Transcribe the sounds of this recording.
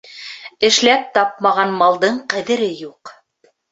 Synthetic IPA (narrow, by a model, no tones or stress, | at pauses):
ɘ̆ʃlæp̚t̪ɑp̚mɑʁɑnmɑlˠd̪ɤɴqæðɘ̆ɾɘjuq